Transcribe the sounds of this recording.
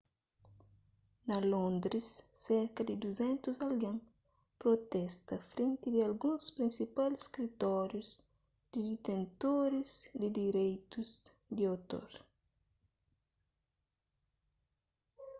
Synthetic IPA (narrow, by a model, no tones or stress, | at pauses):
nɐlõnd̪ɾɪsːɛɾkɐd̪ɪd̪uzɛ̃nt̪uzɐlɡẽŋ | pɾot̪ɛst̪ɐfɾẽnt̪ɪd̪ɪɐlɡũŋspɾĩnsipalskɾit̪ɔɾjuz | d̪̥ɪd̪it̪ẽnt̪oɾɪzd̪ɪd̪iɾejt̪uz | d̪iowt̪o̰ɾ